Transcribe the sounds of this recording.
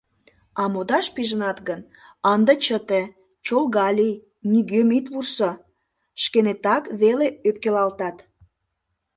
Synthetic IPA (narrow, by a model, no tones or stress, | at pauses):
ɑmod̪ɑʃpiʒənɑt̪ɡən | ɑnd̪ət͡ɕət̪e | t͡ɕolɣɑlʲi | nyɡømit̪βurso | ʃkenet̪ɑkβeleøp̚kelɑlt̪ɑt̪